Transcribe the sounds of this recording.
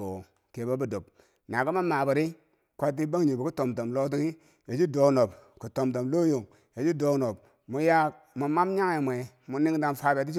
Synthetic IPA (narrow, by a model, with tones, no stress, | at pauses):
o˨ | ke˨bo˦bu˦do˨p̚ | na˨ku˦ma˦ma˨bu˨ɾi˦ | kʷa˦t̬ːi˦ba˦ŋ˦ɲi˨bu˨ku˦to˨mto˨mlo˦t̬i˦ŋi˦ | je˨d͡ʒi˦do˨no˨p | ku˨to˨mto˨mlo˦jo˨ŋ | je˨d͡ʒi˦do˦kno˨p | mu˨˦ja˦ | mu˨ma˦mɲa˦ŋe˨mʷ˨e˨ | mu˨ni˦ŋ˦da˦n˨fa˦be˨ti˦t͡ʃi˦